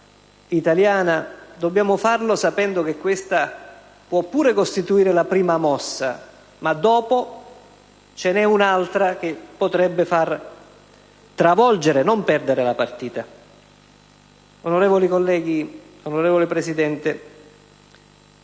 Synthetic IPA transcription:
it̪aljaːnad̪obːjaːmofarlosapɛnd̪ok̟ekːwest̪a | pwɔpːuːɾekost̪it̪uiːɾelapɾiːmamɔsːa̰ | mad̪ːɔːpo | t͡ʃenɛunalt̪ɾak̟epːot̪ɾɛbːefar | t̪ɾavɔld͡ʒeɾenompɛrd̪eɾelapart̪iːt̪a | onoɾɛːvolikolːɛːɡi | onoɾɛːvolepɾesid̪ɛnt̪e

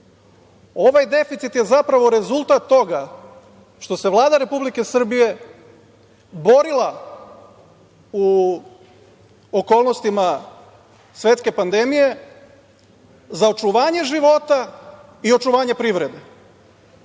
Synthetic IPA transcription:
o̞ʋajd̪e̞fit̪sit̪je̞zapɾaʋo̞ɾe̞zulˠt̪at̪ːo̞ɡa | ʃt̪o̞se̞ʋlˠaːd̪aɾe̞publike̞sr̩bije̞ | bo̞ɾilˠa | u | oko̞ːlˠnost̪ima | sʋe̞t̪ske̞pand̪e̞mije̞ | zao̞t͡ʃuʋaːɲe̞ʒiʋo̞t̪a | io̞t͡ʃuʋaːɲe̞pɾiʋɾe̞d̪e

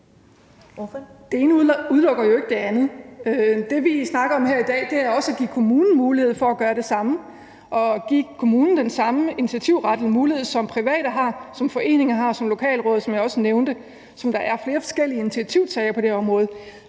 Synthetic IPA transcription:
d̥e̝e̝ːnəuðˠlɔɡ̥ɐjo̝e̝ɡ̥əd̥e̝ænð̩ˠød̥e̝ʋisnɑ̈ɡ̥ɐɒ̽mheɐ̰id̥ɛ̰ːd̥e̝æɐɒ̽səæɡ̥ḭkʰo̝muːnn̩muːlihe̝ð̞̩̰ˠfɒ̽æɡ̥ɶːɐɾe̝sɑ̈mə | ʔɒ̽ɡ̥iːkʰo̝muːnn̩d̥ensɑ̈məinit͡sʰiæt͡sʰiʊ̰ʁɑ̈d̥əl̩muːlihe̝ðˠsɒ̽mpʰʁiʋɛ̰ːɾ̥ɐɦɑ̈sɒ̽mfɒ̽ʔe̝̰ːne̝ŋɐɦɑ̈sɒ̽mlo̝kʰɛ̰ːlʁɔ̽ːðˠsɒ̽mjɪɒ̽səneʊnd̥ə | sɒ̽md̥ɑ̈ʔæɐfle̝ːɐfɒ̥̽sɡ̥el̰iəinit͡sʰiæt͡sʰiʊsɛɪɐpʰɒd̥e̝ɒ̽mʁɔ̽ːð̩ˠ

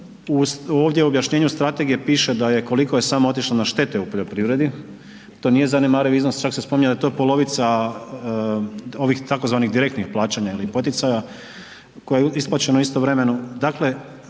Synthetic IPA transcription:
usoːʋd̪jeuobjaʃɲe̞ːɲust̪ɾat̪e̞ɡije̞piːʃed̪aje̞ko̞liko̞je̞saːmoo̞t̪iʃlonaʃt̪e̞t̪eupo̞ʎo̞pɾiʋɾe̞d̪i | t̪o̞nije̞zanemaːɾawiznost͡ʃaksespomiɲad̪at̪o̞jepo̞lo̞ʋit̪sa | o̞ʋixt̪ako̞zʋaːniɣd̪iɾe̞k̚t̪nixplˠaːt͡ɕaɲailipo̞t̪it̪saja | ko̞jejisplˠaːt͡ɕenouist̪oʋɾe̞me̞nud̪akle̞

